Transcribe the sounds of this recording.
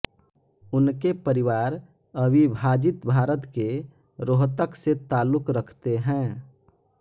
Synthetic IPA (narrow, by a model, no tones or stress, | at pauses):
ʊnkepəɾɪwaːɾəbibʱaːd͡ʒɪt̪bʱaːɾət̪keɾoɦt̪əkset̪aːlːʊkɾəkʰt̪eɦɛ̃ː